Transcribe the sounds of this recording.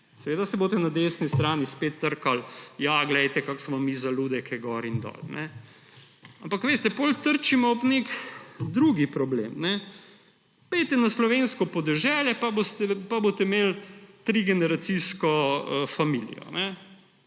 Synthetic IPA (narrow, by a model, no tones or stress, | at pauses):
sɛʋeːd̪asɛboːt̪ɛnad̪eːsnist̪ɾaːnispet̪ːəɾkaljaɡlɛjt̪ɛkaksmɔmizalud̪ɛkɛɡɔɾind̪ɔ̰ːlnʔɛ | ampakʋeːst̪ɛpolt̪əɾt͡ʃimɔɔpnekd̪ɾuɡipɾɔblḛːmnɛ | pɛjt̪ɛnaslɔʋenskɔpɔd̪ɛʒɛːljɛpabost̪ɛpabot̪ɛmelt̪ɾiɡɛnɛɾat̪siskɔəfamilḭjɔ̰nɛ